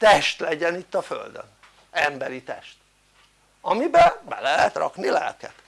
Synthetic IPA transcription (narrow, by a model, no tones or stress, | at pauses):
t̪ɛʃt̪lɛɟɛnit̪ːɒfø̰ld̪ø̰n | ɛmbɛɾit̪ɛʃt̪ | ɒmibɛbɛlɛɦɛt̪rɒ̰knilɛ̰lkɛt̪